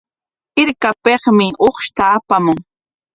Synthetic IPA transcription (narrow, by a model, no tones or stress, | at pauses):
ɪɾkapeχmɪʔoχʃt̪aːpamʊŋ